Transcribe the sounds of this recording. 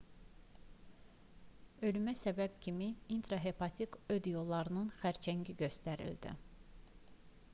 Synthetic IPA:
ø̞lymæsæbæb̥̚cʰimiint̪ɾɑɦe̞pʰɑt̪ʰikød̪jolˠːɑɾɯnɯnxæɾt͡ʃʰæŋɟiɟø̞st̪æɾḭld̪ḭ

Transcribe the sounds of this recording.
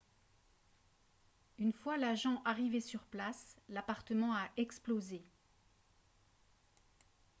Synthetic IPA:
ynfwalaʒɑ̃ʔaʁivesyʁplaslapaʁt̪əmɑ̃aʔɛksploze

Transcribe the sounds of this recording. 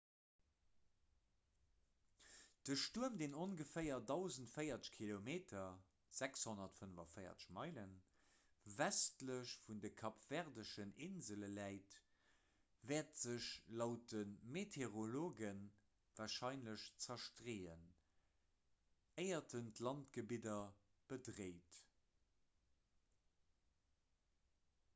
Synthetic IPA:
d̥əʃtuəmdeːnonɡəfəɪɐdɑʊzəntfəɪɐt͡sə̥ʃkʰilomeːtʰɐ | z̥ækshonɐtfənəvɐfəɪɐ̰t͡sə̥ʃmɑɪlən | væstləɕfundəkʰɑpv̥ɛʁdəʃəneːnzələlæɪt | vɛːɐtz̥əɕlɑʊt̚ənmetʰeʁoloːɡən | vaːʃɑɪnləɕt͡sɐʃtʁeːən | əɪɐtʰəntlɑntɡ̥əbidɐ | b̥ədʁeɪt

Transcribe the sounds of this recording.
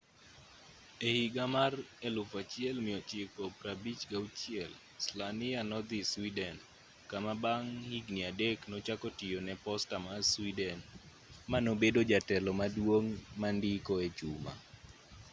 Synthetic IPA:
ehiɡamarelʊfat͡ʃiɛlmɪɔt͡ʃɪkɔpɾabit͡ʃɡaut͡ʃɪjɛl | slanɪanɔd̪ɪswidɛn | kamabaŋhiɡniadeknɔt͡ʃakɔtɪjonɛpɔstamaswidɛn | manobedod͡ʒatɛlɔmadwoŋmandɪkɔet͡ʃuma̰

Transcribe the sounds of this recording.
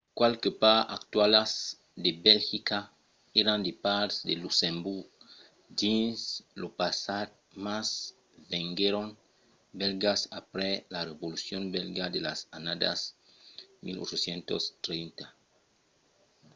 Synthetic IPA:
kwalkepaa̰kt̪walas | d̪ebelxika | eɾand̪epaɾsd̪elusembuɾɡ | dinslopasat | mas | veŋɡeɾon | belɡasapɾelareβolusjonbelɡad̪elasanad̪a̰s | mḭlo̰t͡ʃosjent̪o̰st̪ɾejnt̪a

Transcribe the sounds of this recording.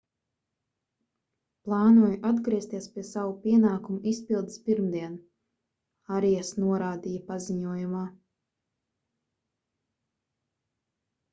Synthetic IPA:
plˠɑːnuɔjuʔad̪ɡɾiɛst̪iɛspʲiɛsawupʲiɛnaːkumuʔispilˠd̪spiɾmd̪iɛn | aɾijasnuɔɾaːd̪ijapaziɲuɔjumaː

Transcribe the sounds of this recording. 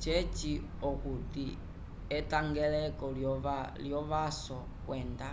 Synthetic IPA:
t͡ʃet͡ʃi | okuti | etaŋɡelekɔlaljoβaso | kweːnda

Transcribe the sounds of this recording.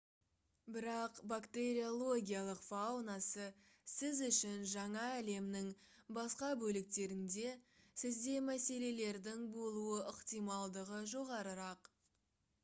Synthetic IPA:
bɪɾɑqbakt̪e̞ɾʲio̞lˠo̞ɡʲijalˠəqfawnɑsə | sɪzʏʃɪnʒɑɴɑːle̞mnɪŋ | bɑsqɑbɵlɪk̚t̪e̞ɾɪŋd̪e̞sɪzd̪e̞mæse̞le̞le̞ɾd̪ɪŋbo̞lˠuəʔɪqt̪ijmɑlˠd̪əʁəʒo̞ʁɑɾəɾɑq

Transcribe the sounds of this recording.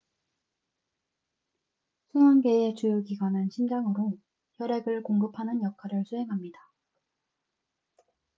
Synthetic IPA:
sʰuŋanɡe̞et͡ɕujoɡiɡwanɯnɕʰimd͡ʑaŋɯɾo | jʌɾe̞ɡɯɭkoŋɡɯpʰanɯnjʌkʰaɾɯɭsʰuɦe̞ŋɦamɲida

